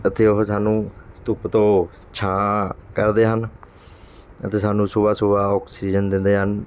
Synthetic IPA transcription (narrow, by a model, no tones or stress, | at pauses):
ət̪ʰːeːʊɦsaːnũːt̪ʊpt̪õː | t͡ʃʰãːkəɾd̪eːɦən | ət̪eːsaːnũːsʊbaːsʊbaːɔːksiːd͡ʒənd̪ɪ̃nd̪eːɦən